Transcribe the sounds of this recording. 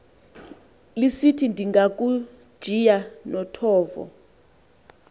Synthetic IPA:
lisitʰindʱiŋɡak̬ʼu̥ | ʒ̥ʱijanɔtʰɔːvɔ̰

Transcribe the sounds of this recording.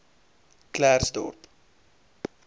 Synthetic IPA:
klærsdɔ̰rp

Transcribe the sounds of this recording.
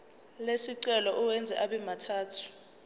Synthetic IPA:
lesiǀɛlɔʔuwɛnd͡zʱɛʔaɓɛmatʰaːtʰu̥

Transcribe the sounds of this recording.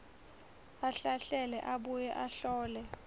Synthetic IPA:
aɬaɬɛlɛʔaɓujɛʔaɬɔːlɛ

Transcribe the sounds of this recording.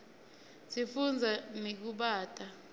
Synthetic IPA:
sifund͡zʱanik̬uɓaːtʼa

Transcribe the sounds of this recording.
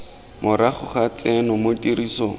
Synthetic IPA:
mʊɾaχʊχat͡sɛnʊmotiɾiːsɔ

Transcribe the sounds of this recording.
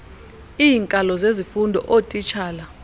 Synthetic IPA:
iːŋkʼalɔzezifundʱɔ̰ʔotʼit͡ʃʰaːla

